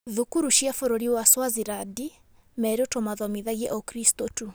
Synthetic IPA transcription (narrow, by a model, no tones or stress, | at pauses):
ðukuɾuʃjafoɾoɾiwaswaziɾadi | mɛɾotɔmaðɔmiðaɣiɛʔɔkɾistotu